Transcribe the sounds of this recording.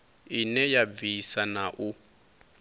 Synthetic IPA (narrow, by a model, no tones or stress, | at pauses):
inɛjabvisanaʔu